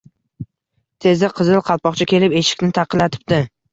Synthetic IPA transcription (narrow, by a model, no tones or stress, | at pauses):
t̪ʰe̞zɪqʰɨzɨlˠqʰɑlˠpɒqt͡ʃʰakʲe̞lɪpe̞ʃɪ̥kʲnɪt̪ʰɑqʰɨlːat̪ʰɪ̥p̚t̪ɪ